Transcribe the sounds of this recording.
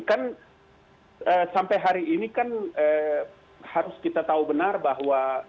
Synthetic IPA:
kan | əːsampajɦaɾiːnikanə | haɾʊskit̪at̪aubənarbaɦwa

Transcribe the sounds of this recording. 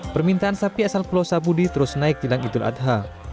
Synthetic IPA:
pərmint̪aːnsapiasalkulɔsap̬udit̪əɾʊsnaɪk̚d̪ilaŋit̪ula̰t̪ɦa

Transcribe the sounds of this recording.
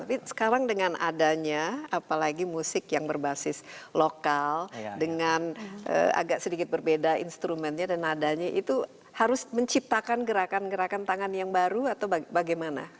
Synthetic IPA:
t̪apisə̥kaɾaŋdəŋanʔa̰daɲaapalaɡimusɪkjaŋbərbasɪslokaldəŋanʔə̰a̰ɡaʔsədikɪt̪̚bərbedaḭnst̪ɾumɛnɲadanadaɲaʔḭt̪u | haɾʊsməɲt͡ʃip̚t̪akanɡəɾakanɡəɾakant̪aŋanjaŋbaɾuat̪awbaɡɛjmana̰

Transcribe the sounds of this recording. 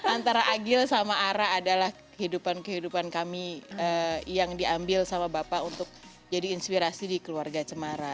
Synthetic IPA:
ant̪aɾaʔaɡɪlsamaʔːɾaːdalahkə̥ɦidupankəɦidupankamiəjaŋdiambɪlsamabapaunt̪ʊk̚ | d͡ʒadiːnspiɾasidikəluarɡat͡ʃəmaɾa

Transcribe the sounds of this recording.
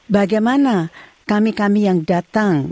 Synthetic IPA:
baɡajmanakamikamijaŋdat̪aŋ

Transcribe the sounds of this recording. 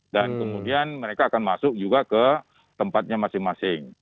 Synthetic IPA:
dankəmudianməɾekaːkanmasʊk̚d͡ʒuɡakə | t̪əmpat̪̚ɲamasɪŋmasɪŋ

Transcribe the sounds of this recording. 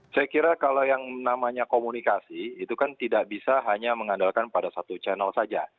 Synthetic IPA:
sajakiɾakalawjaŋnamaɲakomunikasiːt̪ukant̪idaʔbisaɦaɲaməŋandalkanpadasat̪ut͡ʃɛnɛlsad͡ʒa

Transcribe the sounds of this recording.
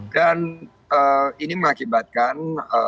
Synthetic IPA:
kan | əiniməŋakibat̪̚kanə

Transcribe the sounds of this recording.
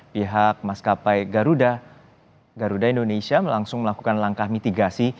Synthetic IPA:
piɦak̚maskapajɡaɾuda | ɡaɾudaindonesiaməlaŋsʊŋməlakukanlaŋkahmit̪iɡasi

